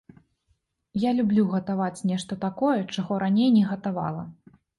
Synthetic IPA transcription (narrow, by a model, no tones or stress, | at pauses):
jalʲublʲuɣɐt̪avat͡sʲnʲɛʂt̪ɐt̪akɔjɛt͡ʂaɣɔɾanʲejnʲɛɣɐt̪ava̰lˠɐ̰